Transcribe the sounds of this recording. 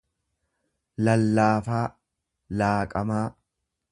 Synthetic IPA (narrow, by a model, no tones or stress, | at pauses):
lɐlːaːfaː | laːkʼɐmaː